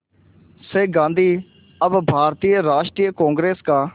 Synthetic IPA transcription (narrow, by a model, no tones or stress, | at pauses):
seːɡãːnd̪ʱiː | əbbʱaːɾt̪iːəɾaːʃʈɾijəkõːŋɡɾeːskaː